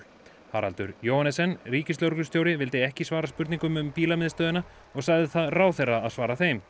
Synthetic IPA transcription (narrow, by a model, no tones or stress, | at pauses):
ha̰ɾa̰lt̪ʏ̰ɾjoːwhanɛsɛnriːcɪst̪owɾkʏst̪jowɾɪvɪlt̪eɛhcɪsvaːɾaspʏɾt̪niŋkʏmʏmpiːlamɪðst̪œːðɪna | ɔɣsaːɣðɪθaðraːwθejraːðsvaːɾaθejm